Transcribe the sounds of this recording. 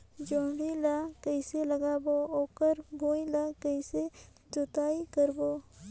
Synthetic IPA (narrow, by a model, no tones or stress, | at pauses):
d͡ʒoːɽilakəɪseləɡaːbooːkəɾɡoːĩlakəɪse | d͡ʒoːt̪aːikəɾboː